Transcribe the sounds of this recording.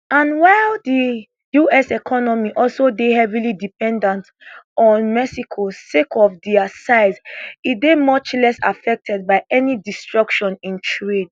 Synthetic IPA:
ãnwaɪldi | juɛsɛkʰɔnɔmiʔɔlsodehɛvilidipɛ̃ndãnt | ɔ̃nmɛsikʰosekɔfdiasaɪzit̚bemɔt͡ʃlɛsa̰fɛk̚tʰɛd̚baɪʔɛnidistɹɔkʃɔ̃nĩntʰɹed

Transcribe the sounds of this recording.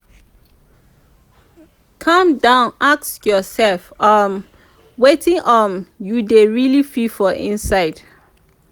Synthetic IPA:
kʰʌ̃mdãʊ̃nʔaksjɔsɛlfam | wetĩŋʔɔ̃njudeɹilififɔʔḭ̃nsaɪd̥

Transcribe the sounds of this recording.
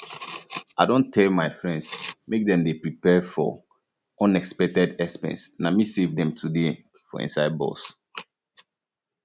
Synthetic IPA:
aɪdɔ̃ntʰːɛlmaɪfɹɛ̃nsmek̚dɛ̃mdepɹipɛfɔ̰ | ɔ̃nɛkspɛk̚tɛdɛspɛ̰̃nsnamisevdɛ̃mtʰude | fɔ̰ḭ̃nsaɪd̚bɔ̰s

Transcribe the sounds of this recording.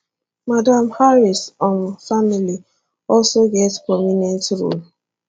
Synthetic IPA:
madãmhaɹisɔ̃nfamili | ɔlsoɡɛtspɹɔminɛ̃ntɹo̰l

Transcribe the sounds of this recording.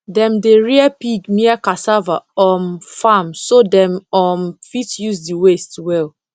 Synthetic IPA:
dɛ̃mdeɹiapiɡmiakasavaɔmfamsodɛ̃mɔmfitjuzdiwestwɛl

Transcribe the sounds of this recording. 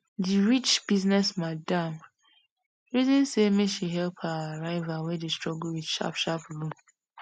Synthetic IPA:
diɹit͡ʃb̥iznɛsmadãm | ɹizɔ̃nsemeʃiɦɛlphaaɹaɪvawedestɹɔɡulwidʃa̰pʃapɹũm

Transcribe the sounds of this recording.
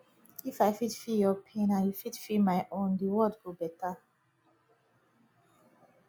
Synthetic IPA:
ifaɪfitfiljɔpʰẽnãnjufitfimaɪʔõndiwɔdfubɛta

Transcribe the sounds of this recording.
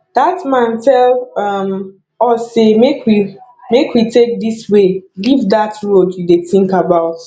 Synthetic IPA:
d̥atmãntɛlʌm | ɔsemekwi | mekwitek̚diswelivdatɹoudeθɪ̃ŋkabaʊt

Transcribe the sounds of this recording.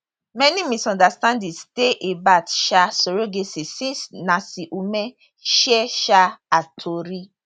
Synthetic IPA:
mɛnimisɔ̃ndastãndisteʔebatʃasoɾoɡesisĩnsnasiʔumɛ | ʃɛʃaatʰoɾi

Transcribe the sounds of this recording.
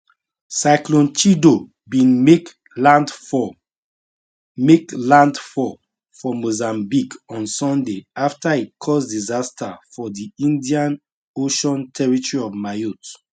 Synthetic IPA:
saɪklɔ̃nt͡ʃido | bĩn | ad | meklãndfɔ | fɔmozãmbikɔ̃nsɔ̃ndeaftait̚kʰɔsdizastʰafɔdiĩndiãn | oʃɔ̃ntʰɛɹitɔɹiɔvmajut

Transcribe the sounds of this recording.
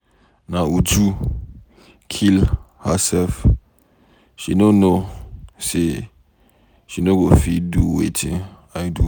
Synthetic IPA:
nãud͡ʒu | kʰil | həsɛlf | ʃinonose | ʃinoɡofiduwḛtʰɪ̃n | aɪdu

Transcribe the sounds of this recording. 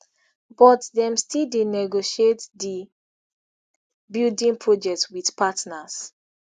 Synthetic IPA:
bɔtdɛ̃mstildenɛɡoʃietdi | bildĩŋpʰɹɔd͡ʒɛk̚twidpatnas

